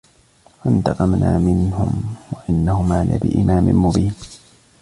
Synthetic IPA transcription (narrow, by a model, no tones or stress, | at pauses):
fant̪ɑqɑmnaːmɪnhʊmwaʔɪnːahʊmaːna̰ːbɪ̰ʔɪmaːmɪnmʊbiːn